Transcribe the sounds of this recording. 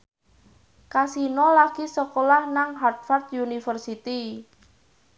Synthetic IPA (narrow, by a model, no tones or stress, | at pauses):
kasinɔlaɡ̥isəkolahnaŋɦart̪̚fart̪̚junifərsit̪i